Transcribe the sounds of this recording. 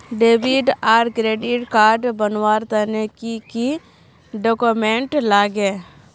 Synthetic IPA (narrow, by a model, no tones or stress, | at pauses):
ɖeːʋɪɖaːɾkɾeːɖɪʈkaːɾɖbənwaːɾt̪ənekiki | ɖoːkomẽɳʈlaːɡe